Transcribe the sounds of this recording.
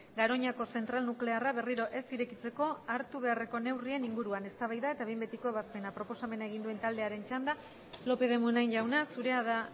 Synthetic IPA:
ɡaɾo̞ɲako̞se̞nt̪ɾalnukle̞araβe̞riɾo̞ʔe̞siɾe̞kit͡se̞ko̞aɾt̪uβ̞e̞are̞ko̞ne̞wrie̞niŋɡuɾuane̞st̪aβajðae̞t̪aβembe̞t̪iko̞βaspe̞napɾo̞po̞same̞naeɣ̞ind̪ue̞nt̪ald̪e̞aɾe̞nt͡ʃand̪a | lo̞pe̞ð̞e̞munajɲʝawnasuɾe̞aða

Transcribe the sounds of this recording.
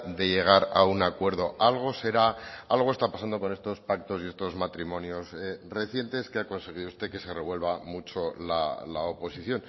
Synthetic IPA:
d̪e̞ʎe̞ɣ̞aɾaunakwe̞ɾðo̞alɣ̞o̞se̞ɾaalɣ̞o̞e̞st̪apasand̪o̞ko̞nest̪o̞spak̚t̪o̞sie̞st̪o̞zmat̪ɾimõ̞njo̞sre̞θje̞nt̪e̞skeako̞nse̞ɣ̞iðust̪e̞ke̞se̞re̞βwe̞lβamut͡ʃo̞la̰laopo̞siθjo̞n

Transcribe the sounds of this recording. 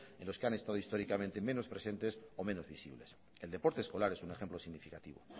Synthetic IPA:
enlo̞skeane̞st̪að̞oist̪o̞ɾikamẽnt̪e̞me̞no̞spɾe̞se̞nt̪e̞so̞me̞no̞zβisḭβle̞s | eld̪epo̞ɾt̪eːsko̞laɾe̞sune̞xe̞mplo̞siɣnifikat̪iβo̰

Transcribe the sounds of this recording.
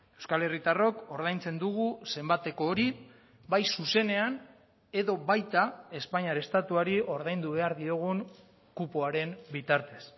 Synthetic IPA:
e̞wskale̞rit̪aro̞ko̞ɾðajnt͡se̞nd̪uɣuse̞mbat̪e̞ko̞ːɾi | bajsuse̞ne̞an | e̞ðo̞βajt̪ae̞spaɲiaɾest̪at̪uaɾio̞ɾðajnd̪uβe̞aɾðio̞ɣ̞uŋ | kupoaɾe̞mbit̪aɾt̪e̞s

